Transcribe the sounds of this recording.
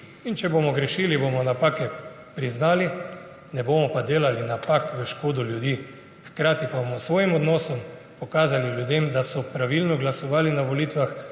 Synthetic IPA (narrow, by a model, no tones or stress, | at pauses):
int͡ʃɛbomɔɡɾɛʃiːlibomɔnapaːkɛ | pɾiznaːli | nɛboːmɔpad̪eːlalinapakʋəʃkoːd̪ɔljud̪iː | xkɾaːt̪ipabomɔsʋɔːjimɔd̪nɔːsɔm | pɔkaːzaliljud̪eːmd̪asɔpɾaʋilnɔɡlasɔʋaːlinaʋɔliːt̪ʋax